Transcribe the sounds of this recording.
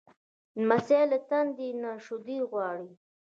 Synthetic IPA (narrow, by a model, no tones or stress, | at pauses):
maselət̪and̪inaʃʊd̪iɣwɑːɽi